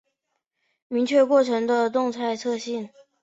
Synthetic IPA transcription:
mi˧˥ŋt͡ɕʰɥɛ˥˧kwɔ˥˩ʈ͡ʂʰɤ˧˥ŋd̪ə˧t̪ʊ˥˧ŋt͡sʰa˥˧ɪt͡sʰɤ˥˧ɕi˥˩n

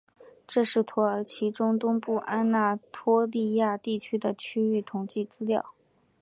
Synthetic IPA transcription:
ʈ͡ʂɤ˥˧ʂɻ̩˥˩t̪ʰwɔ˧˥ə˧˥t͡ɕʰi˧˥ʈ͡ʂʊ˥ŋt̪ʊ˥ŋpu˥˩ʔa˥nna˥˩t̪ʰwɔ˥li˥˧ja˥˧t̪i˥˩t͡ɕʰy˥d̪ə˨t͡ɕʰy˥y˥˩t̪ʰʊ˧˥ŋt͡ɕi˥˩t͡sɹ̩˥ljɑ˥˩ʊ

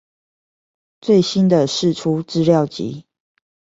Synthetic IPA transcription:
t͡swe˥˨ɪɕi˦nd̪ə˨ʂɻ̩˥˨ʈ͡ʂʰu˦ʈ͡ʂɻ̩˥˧ljɑ˥˨ʊt͡ɕḭ˨˦

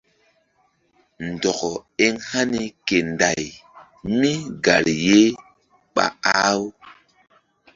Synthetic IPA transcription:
n˨dɔ˨kɔ˨e˦ŋha˦ni˦ke˨nda˨j | mi˦ɡa˨ɾje˦ | ɓa̰˨a˦w

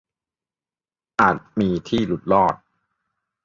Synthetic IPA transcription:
ʔaː˨˩t̪̚miː˧t̪ʰiː˥˩lu˨˦˩t̪̚lɔː˥˩t̪̚

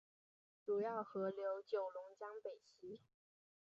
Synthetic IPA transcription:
ʈ͡ʂu˨˩jɑ˥˩ʊxɤ˧˥ljo˧˥ʊt͡ɕjo˨˩ʊlʊ˧˥ŋt͡ɕjɑ˥ŋpe˨˩ɪɕi˧˥

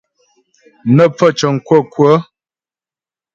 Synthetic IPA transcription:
nə˦p͡fə˦˨t͡ʃə˨ŋ̩˨kwə˦˨kwə˦

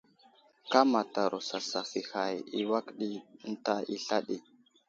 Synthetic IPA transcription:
ka˦ma˨ta˨ɾo˨sa˨sa˨fi˨ha˨ji˦wa˦kɗi˦n̩˦ta˦i˦ɬa˦ɗi˨

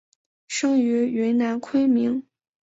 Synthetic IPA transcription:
ʂɤ˥ŋy˧˥ɥɛ˧˥nna˧˥nkʰwe˥ɪmi˧˥ŋ

